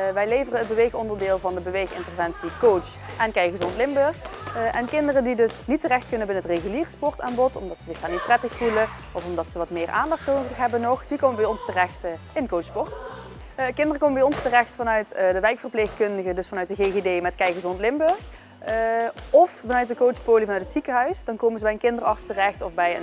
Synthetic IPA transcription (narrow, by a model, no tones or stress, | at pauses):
ʋɛjlejvərəəd̚bəʋejxɔndərdɪːlˠvɑndəbəʋejxɪ̰ntərvɛntsikow | ʔɛnkɛjɣəzɔntlɪmbɵɹxʔɛnkɪndərədidɵsnitːərɛxtkɵnənbɪnəɦətreɣyliːrspɔrtaːnbɔtɔmdɑtsəzɪxdaːnit̚prɛtəxfulə | ʔɔfɔmdɑtsəʋɑtmɪːrʔa̰ːndɑxtnowəxɦɛbənɔχd̥ikowməbɛjɔnstərɛxt | ɪnkowspɔrt | kɪndərəkoːwməbɛjɔnstərɛxtfɑnœɥtdəʋɛjkfərplexkɵndəɣədɵsfɑnœɥt̚dəɣeɣedeːjmɛtkɛjɣəzɔntlɪmbɵɹx | ɔfvɑnœɥt̚dəkowtspoːlivɑnœɥtʰətsikəɦœɥsdɑnkowmənzəbɛjənkɪndərɑrtstərɛxtɔfbɛjə̰n